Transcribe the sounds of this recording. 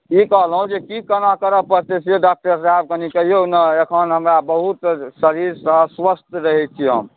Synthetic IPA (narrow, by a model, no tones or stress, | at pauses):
ikəɦlɦũd͡ʒekikənakəɾəpəɾt̪eseɖak̚ʈəɾsaɦeb̚kənikəɦionəekʰənɦəmɾabəɦut̪səɾiɾsə̃sʋəst̪ʰɾəɦɛt͡ʃʰiɦə̰m